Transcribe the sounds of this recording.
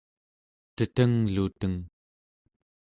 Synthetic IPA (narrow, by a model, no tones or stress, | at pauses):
t̪ət̪əŋlut̪əŋ